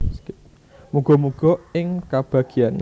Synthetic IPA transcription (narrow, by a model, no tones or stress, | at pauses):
muɡ̥ɔmuɡ̥ɔ̤ɪŋkab̥ä̤ɡ̥ian